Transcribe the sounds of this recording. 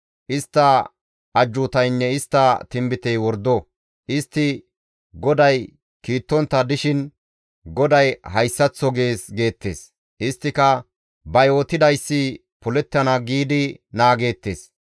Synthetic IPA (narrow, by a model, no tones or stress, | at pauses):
ʔɪst̪ːɐ | ʔɐd͡ʒːʊt̪ɐjnːɛɪst̪ːɐt̪ɪmbɪt̪ɛjwɔɾd̪ːɔ | ʔɪst̪ːɪ | ɡɔd̪ɐj | kiːt̪ːɔnt̪ːɐd̪ɪʃɪn | ɡɔd̪ɐjhɐjsːɐt͡sːɔɡe̞ːsɡe̞ːt̪ːe̞̰ːs | ʔɪst̪ːɪkɐ | bɐjo̞ːt̪ɪd̪ɐjsːɪ | pʊlɛt̪ːɐnɐɡiːd̪ɪnaːɡe̞ːt̪ːe̞̰ːs